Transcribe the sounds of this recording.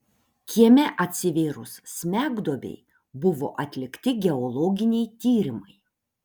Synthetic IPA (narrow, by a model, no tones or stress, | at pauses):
kʲiɛmʲɛʔɐt̪ʲsʲɪʋʲeːɾʊsːʲmʲæːɡd̪oːbʲɛ̰ɪ | bʊʋo̰ːʔɐt̪ʲlʲɪkt̪ʲɪɡʲɛɔlˠɔːɡʲɪnʲɛjt̪ʲiːɾʲɪmɐɪ